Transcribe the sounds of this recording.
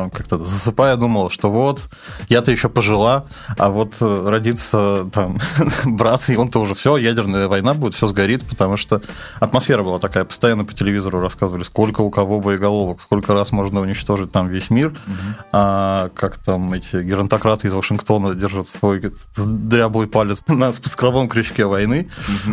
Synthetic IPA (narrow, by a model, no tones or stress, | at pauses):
kak̚t̪əzəsɨpajəd̪uməlˠəʂt̪o̞vo̞t̪ | jat̪əjɪɕːo̞pəʐɨlˠa | a̰vo̞t̪əɾɐdʲit̪sət̪ambɾat̪sɪo̞nt̪oʊʐɛfsʲojædʲɪrnəjəvɐjnabudʲɪt̪fsʲozɡɐɾʲit̪pə̥t̪ɐmuʂt̪o | ɐt̪mɐsfʲe̞ɾəbɨlˠat̪ɐkajəpə̥st̪ɐjanːəpə̥tʲɪlʲɪvʲizəɾʊɾɐskazəvəlʲɪsko̞lʲkəʊkɐvo̞bɨɪɡɐlˠo̞vəksko̞lʲkəɾasmo̞ʐnəʊnʲɪt͡ɕt̪o̞ʐɨt̚ʲt̪amvʲesʲmʲirakʰakt̪amɛtʲɪɡʲɪɾənt̪ɐkɾat̪ɨɪzvəʂɨnkt̪o̞nədʲerʐət̪svo̞j | zd̪ɾʲablˠojpalʲɪt̪snəspʊ̥skɾɐvo̞mkɾʲɪɕkʲevɐjnɨ